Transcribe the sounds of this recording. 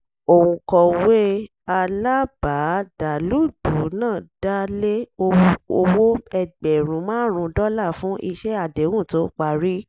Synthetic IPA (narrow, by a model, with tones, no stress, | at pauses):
o˨wũ˨kɔ˨we˦ | a˧la˦ba˨˦d̥a˨lu˦du˨˦nãː˦˨da˦le˦o˧o˧wo˦ɛ˧ɡ͡bɛ˨ɾ̃ũ˨˦mãː˦ɾ̃ũ˧dɔ˦la˦˨fũ˨˦ʔi˧ʃɛ˦a˧˨de˨˦wũ˦˨to˨˦k͡pa˨ɾi˦